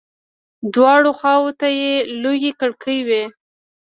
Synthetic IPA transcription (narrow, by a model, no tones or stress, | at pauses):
d̪wɑɽoxɑwot̪ajelojekəɽkʰəjwe